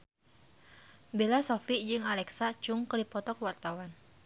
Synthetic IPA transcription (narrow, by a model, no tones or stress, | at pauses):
belasɔfid͡ʒɨŋalɛksat͡ʃuŋkədipɔt̪ɔkwart̪awan